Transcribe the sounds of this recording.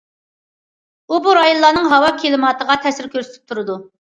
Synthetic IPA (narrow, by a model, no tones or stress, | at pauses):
ubuɾɑjunlˠːɑːnɨŋɦɑwɑkʲʰelɪmɑt̪ʰəʁɑt̪ʰɛsɪɾkʲøɾsɪt̪ʰy̥p̚t̪ʰuɾɨd̪u